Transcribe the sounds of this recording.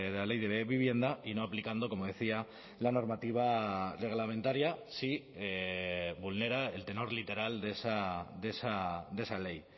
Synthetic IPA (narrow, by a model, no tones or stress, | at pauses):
ðelale̞jðeβeβiβ̞je̞nd̪aino̞aplikand̪o̞ko̞mo̞ð̞e̞θia | lano̞ɾmat̪iβ̞are̞ɣ̞lamẽ̞nt̪aɾjasi | eβulne̞ɾae̞lt̪e̞no̞ɾlit̪e̞ɾald̪e̞sad̪e̞sad̪e̞sale̞j